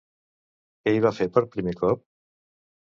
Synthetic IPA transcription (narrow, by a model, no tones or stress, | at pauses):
kɛiβ̞afepəɾpɾimekɔp̚